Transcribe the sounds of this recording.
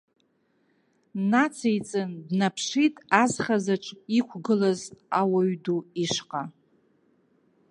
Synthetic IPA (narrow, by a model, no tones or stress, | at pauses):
nat͡sʰejt͡sʼɨndnapʰʂitʼazχazaʈ͡ʂʷʼikʷʰɡɨlazawaɥduiʂqʼa